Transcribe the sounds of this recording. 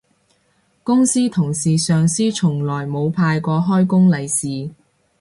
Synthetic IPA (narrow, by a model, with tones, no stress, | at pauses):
kʊ˥ŋsiː˥t̪ʰʊ˨˩ŋsiː˨˩sœː˨ŋsiː˥t͡ʃʰʊ˨˩ŋlɔː˨˩jmo˨˧wpʰaː˧jkɔː˧ɦɔː˥jkʊ˥ŋlɐ˨jsiː˨